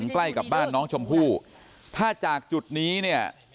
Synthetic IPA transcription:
ŋkla˥˩jka˨˩p̚baː˥˩nːɔː˦˥ŋt͡ɕʰo˧mpʰuː˥˩ | t̪ʰaː˥˩t͡ɕaː˨˩k̚t͡ɕu˨˩t̪̚niː˦˥ni˥˩ɐ

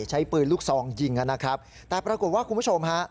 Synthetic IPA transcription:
t͡ɕʰa˦˥jpɤː˨˩t̪̚luː˥˩k̚sɔː˨˩˦ŋji˧ŋːʔa˧na˦˥kʰɾa˦˥p̚ | t̪ɛː˨˩pɾa˧ko˨˩t̪̚waː˥˩kʰu˧npu˥˩t͡ɕʰo˧mɦa˦˥ʔ

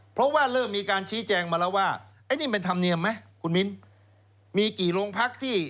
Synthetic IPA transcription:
pʰɾɔ˦˥waː˥˩ɾɤː˥˩mːiː˧kaː˧nt͡ɕʰiː˦˥t͡ɕɛː˧ŋmaː˧lɛː˦˥waː˥˩ʔaː˦˥jniː˥˩p̬e˧nt̪ʰa˧mni˧əmːa˦˥jkʰu˧nmi˦˥n | miː˧kiː˨˩ɾoː˧ŋpʰa˦˥k̚t̪ʰiː˥˩

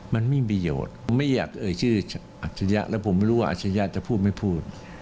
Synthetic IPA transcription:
ma˧nmiː˧˥˨p̬ɾa˧jo̰ː˨˩t̪̚ma˥˩jːa̰ː˨˩k̚ʔɤː˧jt͡ɕʰɯː˥˩ | ʔa˨˩t̪̚t͡ɕʰːa˧ja̰˦˥ʔlɛː˦˥wpʰo˩˦ma˥˩jɾuː˦˥waː˥˩ʔt̪̚t͡ɕʰa˧ja˦˧˥t͡ɕa˨˩pʰuː˥˩t̪̚ma˥˩jpʰuː˥˩t̪̚

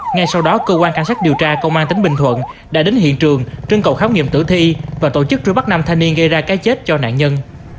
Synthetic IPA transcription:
ŋa˧jsa˧wɗɔ˨˦kəː˧kwaː˧nka˧˩jŋsaː˦˥k̚ɗi˨˩əwt͡ɕaː˧kə˧wŋ͡mʔaː˧nt̪ï˨˦ŋ̟ɓï˨˩ŋt̪ʰwə̰˧˨n | ɗa̰ː˧˥ɗe˨˦nɦḭ˧˨ənt͡ɕɨ˨˩əŋt͡ɕɨ˧əŋkə̰˧˨wxaː˨˦wŋḭ˧˨əmt̪ɨ̰˧˩t̪ʰi˧vaː˨˩t̪o˧˩t͡ɕɨ˦˥k̚t͡ɕɨ˧ɓa˦˥k̚na˧mt̪ʰa˧jni˧ənɣə˧jzaː˧kaː˨˦jt͡ɕe˦˥t̚t͡ɕɔ˧na̰ː˧˨nɲə˧n

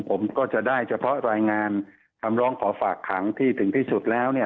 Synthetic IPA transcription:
pʰo˩˦mkɔː˥˩t͡ɕa˨˩daː˥˩jt͡ɕʰa˧pʰɔ˦˥ɾaː˧jŋaː˧n | kʰa˧mɾɔː˦˥ŋkʰɔː˩˦faː˨˩kʰːa˩˦ŋt̪ʰiː˥˩t̪ʰɯ˨˩˦ŋt̪ʰiː˥˩su˨˩t̪̚lɛː˦˥wni˥˩ɐ

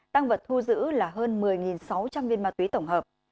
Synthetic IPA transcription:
t̪a˧ŋvə˨˩t̚t̪ʰːu˧zɨ̰˧˥laː˨˩ɦəː˧nmɨ˨˩əjŋi˨˩nsa˨˦wt͡ɕa˧mvi˧ənmaː˧t̪wi˨˦t̪ə˧˩wŋ͡mɦəː˨˩p̚

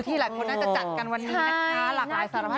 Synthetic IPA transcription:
t̪ʰiː˥˩laː˨˦jkʰo˧nːa˥t͡ɕa˨˩t͡ɕa˨˩ka˧nwa˧nːiː˧˥kʰaː˦˥laː˧˩aː˨˦jsaː˨˦ɾa˦˩pʰa˥˩

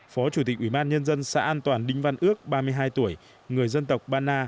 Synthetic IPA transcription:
fɔ˨˦t͡ɕu˧˩t̪i˨˩ʔwi˧˩ɓaː˧nɲə˧nzə˧nsa̰ː˧˥ʔaː˧nt̪waː˨˩nɗï˧ŋ̟va˧nʔɨ˦˥ək̚ɓaː˧mɨ˧əjɦaː˧jt̪u˧˩əj | ŋɨ˨˩əjzə˧nt̪ə˨˩wk͡p̚ɓaː˧naː˧

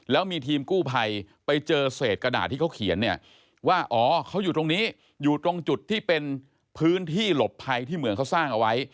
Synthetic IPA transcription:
lɛː˦˥wmiː˧t̪ʰiː˧mkuː˥˩pʰa˧j | pa˧jt͡ɕɤː˧seː˨˩t̪̚kɾa˧da̰ː˨˩t̪ʰːiː˥˩kʰa˦˥wkʰḭ˨˩˦ənːi˥˩ɐ | waː˥˩ʔɔː˩˦kʰa˦˥wjuː˨˩t̪o˧ŋniː˦˥ | juː˨˩t̪ɾo˧ŋt͡ɕu˨˩t̪ʰːiː˥˩pe˧n | pʰɯː˦˥nt̪ʰiː˥˩lo˨˩pʰːa˧jt̪ʰiː˥˩mɯ˩˦əŋkʰa˦˥wsaː˥˩ŋʔa˧wa˦˥j

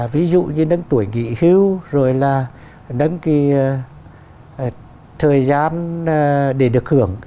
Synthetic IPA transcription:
vi˨˦zṵ˧˨ɲɨ˧nə˧˦ŋt̪u˧˩əjŋḭ˧˨hi˧˦wzo˨˩jlaː˨˩ | nə˨˧˦ŋki˧˨˩ | t̪ʰəː˨˩jzaː˧n | ɗe˧˩ɗɨ˨˩ək̚hɨ˧˩˦əŋ

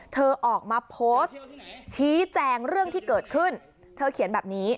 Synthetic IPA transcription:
t̪ʰɤː˧ʔɔː˨˩k̚maː˧pʰoː˦˥st͡ɕʰiː˦˥t͡ɕɛː˧ŋɾɯ˥˩əŋt̪ʰiː˥˩kɤː˨˩t̪̚kʰɯ˥˩n | t̪ʰɤː˧kʰi˨˩˦nbɛː˨˩p̚niː˦˥

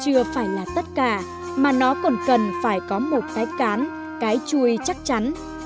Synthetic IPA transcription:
t͡ɕɨ˧əfaː˧˩jlaː˨˩t̪ə˦˥t̚kaː˧˩ | maː˨˩nɔ˨˦kɔ˨˩nkə˨˩nfaː˧˩jkɔ˨˦mo˨˩t̚kaː˨˦jkaː˨˦n | kaː˨˦jt͡ɕu˧˩əjt͡ɕa˦˥k̚t͡ɕa˨˦n

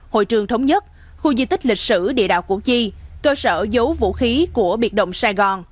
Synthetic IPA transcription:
ho̰˧˨jt͡ɕɨ˨˩əŋt̪ʰə˨˦wŋ͡mɲə˦˥t̚ | xu˧zi˧t̪ï˦˥k̚lï˨˩k̟̚sɨ̰˧˩ɗḭ˧˨əɗa̰ː˧˨wku˧˩t͡ɕi˧kəː˧səː˧˩zə˨˦wvṵ˧˨xi˨˦ku˧˩əɓi˨˩t̚ɗə̰˧˨wŋ͡msaː˧jɣɔ˨˩n

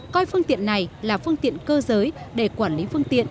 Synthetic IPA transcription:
kɔ˧jfɨ˧ŋt̪ḭ˧˨ənːa˨˩jlaː˨˩fɨ˧əŋt̪ḭ˧˨ənkəː˧zəː˨˦j | ɗe˧˩kwaː˧˩nli˨˦fɨ˧əŋt̪ḭ˧˨ən

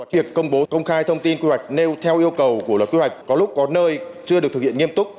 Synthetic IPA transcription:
a˨˦vi˨˩əkːə˧wŋ͡mɓo˨˦kə˧wŋ͡mxaː˧jt̪ʰə˧wŋ͡mt̪i˧nkwi˧wa˨˩jk̟̚ne˧wt̪ʰɛ˧wʔi˧əwkə˨˩wkəlt̚kwi˧hwa˨˩jk̟̚kɔ˨˦lʊ˦˥k͡p̚kɔ˨˦nəː˧jt͡ɕɨ˧əɗɨ˨˩k̚t̪ɨ˨˩kʰḭ˧˨ə˨ŋ˧əmt̪ʊ˦˥k͡p̚

